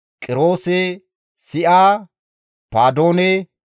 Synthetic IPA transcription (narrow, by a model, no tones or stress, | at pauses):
kʼɪɾo̞ːsɛ | sɪʔaː | paːd̪o̞ːnɛ